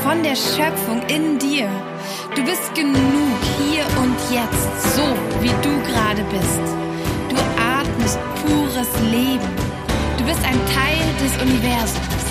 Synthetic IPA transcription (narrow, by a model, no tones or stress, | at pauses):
fɔndeːɐʃœp͡fʊŋɪndiːɐ | d̥uːbɪstɡ̥ənuːkhiːɐʔʊntʰjɛt͡stz̥oːviːduːɡəʁaːdəbɪst | d̥uːʔaɐtməst̚pʰuːʁəsleːbm̩ | d̥uːbɪstaɪntʰaɪldɛsʔʊnivɛɐzʊms